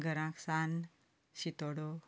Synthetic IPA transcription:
ɡʱəɾãksan | ɕit̪oɽo

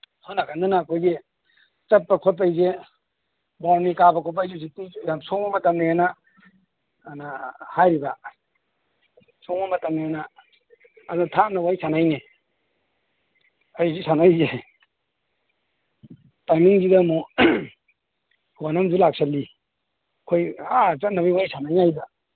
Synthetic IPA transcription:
hanakʰandanaːkʰojɡi | t͡ʃɐp̚ːɐkʰot̚p̬ajze | bawnikabakʰop̬ajzusitijamsɔŋbɐmɐtɐmniana | nahajɾiba | sɔŋbɐmɐtɐmnianaː | dunatʰanawajsanajne | ajzisanajze | tajmiŋzidamɔ | wanɔmzulak̚salːi | kʰojazatnabiwajsanajnajba

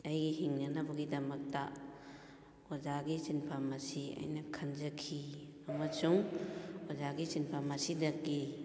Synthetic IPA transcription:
ɐjɡiɦiŋnɐnɐbɐɡidɐmɐk̚ta̰ | ozaɡisinpʰamɐsiɐ̰jnɐkʰɐnd͡ʒɐkʰi | ɐmɐsuŋozaɡisinpʰamɐsidɐkːi

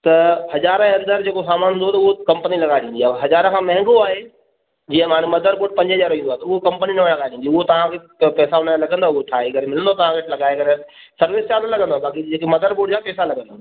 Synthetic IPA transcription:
t̪ɐhɐzaːɾẽɐ̃nd̪əɾd͡ʑeːkos̬aːmaːnɦʊ̃nd̪ot̪ɐʊɦokɐ̃mpənilɐɡaːɪɽĩːnd̪iaɦɐzaːɾ̃kʰãːmɐ̃ɦɪ̃ŋɡoaːɦe | d͡ʑĩːə̃mãːɽ̃ẽmɐd̪ʱəɾboːʈ̚pɐ̃ɲd͡ʑɦd͡ʑaːɾoĩːnd̪oːɦet̪ɐʊɦokɐ̃mpəninɐʋaːlɐɡaːɪĩːnd̪iʊɦot̪ɐʋ̤ãkʰe | pɛːsaɦʊnãlɐɡʱə̃nd̪aːʊɦoʈʰaːɦikɐɾemɪlə̃nd̪ot̪ɐʋ̤ãkʰeʈlɐɡaːekɐɾe | sɐɾʋɪːst͡ɕaːnɐlɐɡəndoaːbʱaːkid͡ʑeːkemɐd̪ʱəɾboːʈd͡ʑãːpɛːsalɐɡə̃nd̪ana

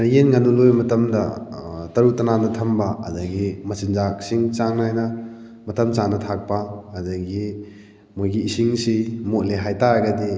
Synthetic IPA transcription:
jenŋɐnulojmɐtɐmdɐtɐɾutɐnanɐtʰɐmbɐɐ̰daɡimɐsinzak̚siŋt͡ʃaŋnajnɐ | mɐtɐmt͡ʃanɐtʰak̚pɐːdaɡi | mojɡiːsiŋsimot̚leɦajtaɾɡɐdi

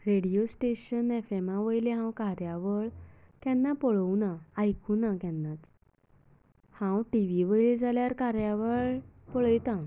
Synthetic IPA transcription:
ɾeɽijosʈeɕənefemãʋəjleɦãwkaɾjaʋəɭkɛ̃nːapɔɭəunaajkʰunakɛ̃nːat͡s | hãwʈiʋiʋəjled͡zʱaljaɾkaɾjaʋəɭpɔɭəjt̪ã

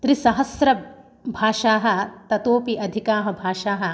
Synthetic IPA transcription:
t̪ɾisɐɦɐsɾɐ | bʱaːʃaːɦɐ̆t̪ɐt̪oːpiʔɐd̪ʱikaːɦɐbʱaːʃaːɦɐ̆

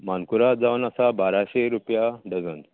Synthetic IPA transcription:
mankuɾad͡zawnasabaɾaɕeɾupjaɖəd͡zənd

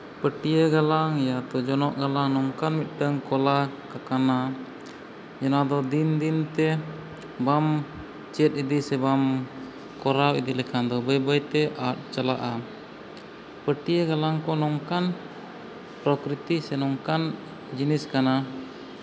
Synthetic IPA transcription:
pəʈiəɡalaŋijat̪ɔd͡ʒɔnɔʔɡalaŋnɔŋkanmiʈəŋkɔlakakana | d͡ʒanad̪ɔd̪ind̪int̪ɛ | bam | t͡ʃɛt̪̚id̪isɛbam | kɔɾawid̪ilɛkʰand̪ɔbəjbəjt̪ɛʔat̪̚t͡ʃala̰ʔa | pəʈiəɡalaŋkɔnɔŋkan | pɾɔkɾit̪isɛnɔŋkan | d͡ʒiniskana

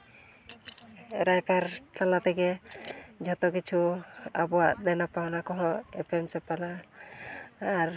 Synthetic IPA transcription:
ɾajpaɾt̪alat̪ɛɡɛ | d͡ʒʱɔt̪ɔkit͡ʃʰuabɔaʔd̪anapawnakɔɦɔɛpʰemsɛpana | ɾ

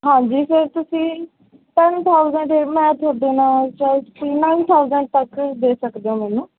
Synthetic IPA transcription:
ɦãːd͡ʒiːsəɾt̪ʊsĩː | t̪ɛnt̪ʰaːʊzəɳɖemɛ̃ːt̪ʰoːɖeːnaːlt͡ʃaːeiːnaːɪnt̪ʰaːzəɳɖ̚t̪əkd̪eːsəkd̪eːõːmɛːnũː

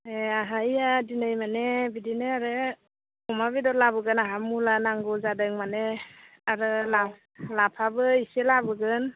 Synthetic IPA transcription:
eaɦajadinɯjmanebidinɯaɾɯ | ɔmabidɔlabɯɡɯnaɦamulanaŋɡɔzadɯŋmane | aɾɯla | lapʰabɯiselabɯɡɯn

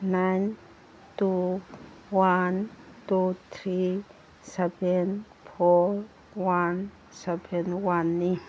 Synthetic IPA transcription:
najn | tu | wantut̪ʰɾi | sɛvɛn | fɔɹ | wan | sɛvɛnwanːi

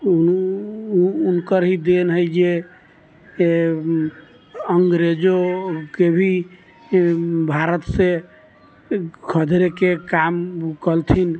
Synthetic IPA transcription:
un | unkəɾɦid̪enɦəjd͡ʒe | əŋɡɾed͡ʒokebʱi | bʱaɾət̪se | kʰəd̪ʱɾekekamkəlt̪ʰin

